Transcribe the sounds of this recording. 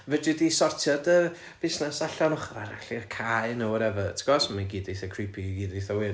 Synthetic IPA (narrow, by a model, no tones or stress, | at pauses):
vədʊdisɔrtʰjɔdə | b̥ɪsnɛsaɬɔnɔχva̰ɾa̰ɬirkʰajnuːɾɛvɔtʰə̥ɡ̥ɔsmaɡiːdeθəkʰrɪpʰiɡiːdeθawɪ